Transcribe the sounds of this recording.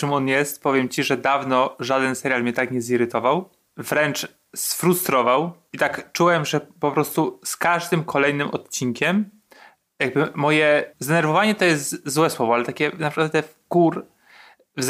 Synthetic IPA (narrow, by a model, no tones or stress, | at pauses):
t͡ʂɘmɔnjɛst̪pɔvʲjɛmt͡ɕiʐɛd̪avnɔʐad̪ɛnsɛɾjalmɲɛt̪akɲɛziɾɘt̪ɔvaw | vɾɛnt͡ʂ | sfɾust̪ɾɔvaw | it̪akt͡ʂuwɛmʐɛpɔpɾɔst̪uskaʐd̪ɘmkʰɔlɛjnɘmʔɔt̪t͡ɕiŋkʲɛm | jaɡ̚bɘmɔjɛzd̪ɛnɛɾvɔvaɲɛt̪ɔjɛst̪zwɛswɔvɔalɛt̪akʲɛnapʂkwat̪t̪ːɛfɡuɾ | vz